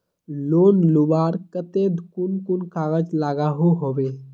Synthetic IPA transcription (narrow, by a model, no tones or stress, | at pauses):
loːnlubaːɾkət̪ed̪ʱkʊnkʊnkaːɡət͡ʃlaːɡaɦoɦoːʋe